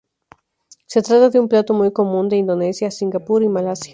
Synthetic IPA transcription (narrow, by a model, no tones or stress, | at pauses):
se̞t̪ɾat̪aðeumplat̪o̞mujko̞mũnd̪eind̪o̞ne̞sjasiŋɡapuɾimalasja